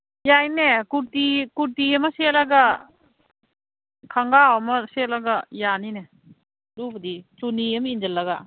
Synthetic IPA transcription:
jajnekuɾtikuɾtiɐmɐselɐɡa | kʰaŋɡawɐmɐselɐɡɐjanine | lubɐdituniɐmind͡ʒɐlːɐɡa

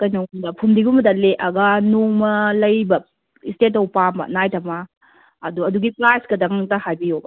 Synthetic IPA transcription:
kɐjnɐwdɐpʰumdiɡumɐdaleʔɐɡanoŋmɐlɐjbɐ | istet̬owpamɐ̰najtʰɐma | ɐduɐduɡipɾajskɐdɐŋtɐhajbijobɐ̰

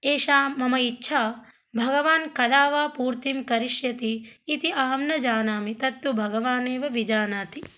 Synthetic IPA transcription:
eːʃaːmɐmɐitːʃʰaː | bʱɐɡɐʋaːnkɐd̪aːʋaːpuːɾt̪imkɐɾiʃjɐt̪iːt̪iʔɐɦɐmnɐd͡ʒaːnaːmit̪ɐt̪ːubʱɐɡɐʋaːneːʋɐʋid͡ʒaːnaːt̪i

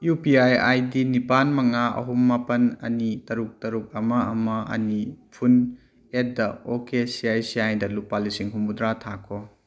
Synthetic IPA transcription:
jupiajajdinipanmɐŋaɐ̰ɦumːapɐnɐ̰nitɐɾuk̚tɐɾuk̚ɐmɐɐmɐʔɐ̰nipʰun | et̚dɐokesiajsiajdɐlupalisiŋɦumbudɾatʰakʰo

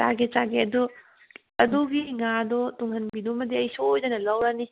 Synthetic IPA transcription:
ta̰ɡet͡ʃaɡeɐdu | ɐduɡiŋadɔtuŋhɐnbidumɐdiɐjsoːjdɐnɐlɐwɾani

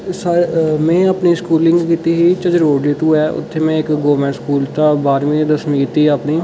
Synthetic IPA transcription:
səɾmɛ̃ːəpniskuːlɪ̃ŋɡkiːt̪iːɦiːt͡ʃəd͡ʒɾoːɖleːt̪uːɛːʔʊ̰t̪ʰːeːmẽːɪkɡoːmɛ̃ːɳʈskuːlt̪abaːɾmĩːd̪əsmĩkiːt̪iɦəpniː

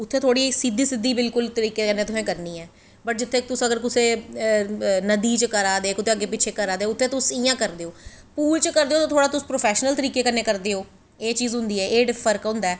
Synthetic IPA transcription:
ʊt̪ʰːeːt̪ʰoːɽiːsɪd̪iːsɪd̪ːiːbɪlkʊlt̪əɾiːkeːkənːeːt̪ʊsẽːkəɾniːɛː | bəʈ̚d͡ʒɪt̪ʰːeːt̪ʊsəɡəɾkʊseː | nəd̪iːt͡ʃkəɾaːd̪eːkʊt̪ʰeːəɡːeːpɪt͡ʃʰeːkəɾaːd̪eoʊt̪ʰːeːt̪ʊsɪjãːkəɾd̪eːoːpuːlt͡ʃəkəɾd̪eːoːt̪ãːt̪ʰoːɽaːt̪ʊspɾoːpʰɛːʃnəlt̪əɾiːkeːkəɾneːkəɾd̪eːoː | eːt͡ʃiːzɦʊ̃nd̪iːɛːʔeːɖfʰəɾkɦʊ̃ːnd̪aː

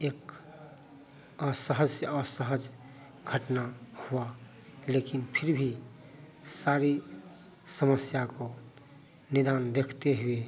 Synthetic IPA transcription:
eːk | əsəɦəd͡ʒseɔsəɦəd͡ʒ | ɡʱəʈnahua | leːkɪnpʰɪɾbʱi | saːɾi | səməsjako | nɪd̪aːnd̪eːkʰt̪eɦʊe

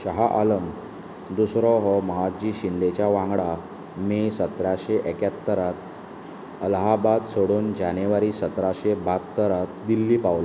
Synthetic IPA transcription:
ɕəɦaʔaləm | d̪usɾɔɦɔməɦad͡ʑiːɕind̪et͡ɕjaʋãŋɡɽa | misət̪ɾaɕeʔekat̪ːəɾat̪ | əlɦabad̪soɽuːnd͡ʑaneʋaɾiːsət̪ɾaɕebat̪ːəɾat̪̚d̪ilːiːpaʋlo

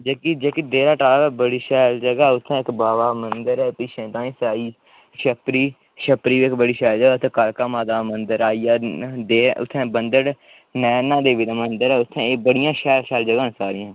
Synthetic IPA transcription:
d͡ʒeːkiːd͡ʒeːkid̪eːɾaːʈaːʋɛːbəɽiːʃɛːld͡ʒəɡaːʊt̪ʰːɛ̃ːɪkbaːʋaːmənd̪əɾɛːpiʃẽːt̪ãːĩːsaːiː | ʃəpɾiː | ʃəpɾiːʋiːɪkbəɽiːʃɛːld͡ʒəɡaːt̪ʰɛ̃ːkəɾkaːmaːd̪aːmənd̪əɾaːiːaːd̪eːʊ̰t̪ʰːɛ̃ːbənd̪əɽ | nɛːnãːd̪eːʋɪd̪amənd̪əɾɛːʊt̪ʰːɛ̃eːbəɽɪjãːʃɛːlʃɛːld͡ʒəɡãːsaːɾɪãː

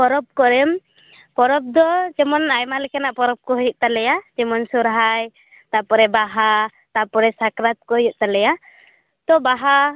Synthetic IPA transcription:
pɔɾɔp̚kɔɾɛm | pɔɾɔp̚d̪ɔd͡ʒɛmɔnajmalɛkʰanaʔpɔɾɔp̚kɔɦɔjɔʔ̚t̪alɛjad͡ʒɛmɔnsɔɾɦaj | t̪apɔɾɛbaɦa | t̪apɔɾɛsakɾat̪̚kɔɦjuʔ̚t̪alɛja | t̪ɔbaɦa

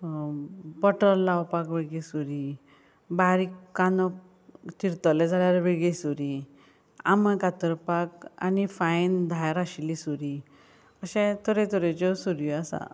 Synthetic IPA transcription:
bəʈəɾlawpakʋeɽɡesuɾi | baɾikːanɔk | t̪iɾt̪əled͡zʱaljaɾʋeɭɡesuɾi | a̰məkat̪əɾpaka̰nifajnd̪ʱajɾaɕlisuɾi | əɕɛ̃t̪ʰəɾẽt̪ʰəɾet͡ɕɔsuɾjɔasa̰

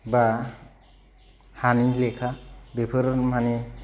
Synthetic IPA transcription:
ba | hanilekʰabepʰɯɾɔnmani

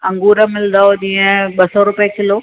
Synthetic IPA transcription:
ɐ̃ŋɡuːɾəmɪlnd̪aːoʄĩːə̃ɓɐsɔɾʊpjəkɪloː

